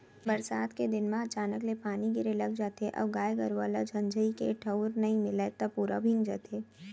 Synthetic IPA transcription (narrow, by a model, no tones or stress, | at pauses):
bɐɾsaːt̪ked̪ɪnmãɐt͡ʃaːnəklepaːniɡɪɾelɐɡd͡ʒaːt̪eʔɔ̰ːɡaːjɡəɾʋa̰ːlad͡ʒʱɐ̃nd͡ʒʱəikeʈʰɐʊɾnɐɦĩmɪlet̪ɐpuːɾa̰bʱɪ̃ŋɡd͡ʒa̰ːt̪ʰeː